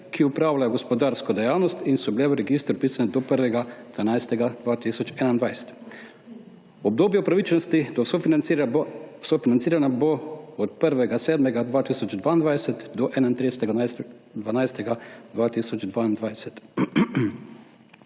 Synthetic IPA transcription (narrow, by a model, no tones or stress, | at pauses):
kʰiupɾaːʋlʲajoɡospod̪aːɾskod̪ejaːwnost̪insubleuɾeɡist̪ɾpiːsaned̪opəɾʋeɡad̪ʋanajst̪eɡad̪ʋaːt̪isot͡ʃenand̪ʋajse̥t̪ | ob̚d̪oːbjeupɾaʋit͡ʃnost̪id̪osofi | sofinant̪siːɾanaboot̪pɾʋeɡased̪meɡad̪ʋaːt̪isot͡ʃd̪ʋaːnd̪ʋaːd̪eset̪d̪oʔenant̪ɾest̪e | d̪ʋanajst̪eɡad̪ʋaːt̪isot͡ʃd̪ʋaːnd̪ʋad̪eset̪